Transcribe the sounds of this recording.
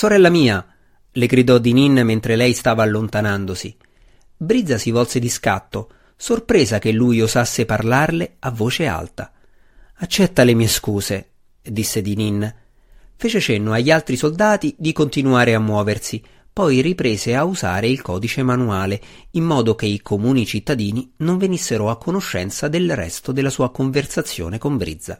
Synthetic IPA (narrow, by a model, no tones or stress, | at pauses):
soɾɛlːamiːa | leɡɾid̪ɔd̪ininːment̪ɾelɛjst̪aːvaːlːont̪anand̪osi | bɾid̪zasivɔlsed̪iska̰t̪ːo | sorpɾeːzakelːujozasːeparlarleavːoːt͡ʃea̰lt̪a | at͡ʃːɛt̪ːalemieskuːze | d̪isːed̪ininː | feːt͡ʃet͡ʃenːoaʎːalt̪ɾisold̪aːt̪id̪ikont̪inuaːɾeamːwɔːversi | pɔjripɾeːzeauza̰ːɾeilkɔːd̪it͡ʃemanuaːleimːɔːd̪okeikʰomuːnit͡ʃit̪ːad̪iːninoɱvenisːeɾoakːonoʃːɛ̰nt̪sad̪elrɛ̰st̪od̪elːasuːakoɱversat̪sːjo̰ːnekoɱbɾḭd̪zːa̰